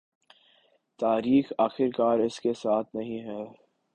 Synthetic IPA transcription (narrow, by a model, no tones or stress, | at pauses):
t̪aːɾiːxaːxɪɾkaːɾɪskesaːt̪ʰnɐɦĩɦɛː